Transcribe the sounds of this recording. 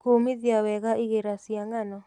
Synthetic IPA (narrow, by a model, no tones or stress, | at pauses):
komiðjawɛɣaʔiɣeɾasjaŋanɔ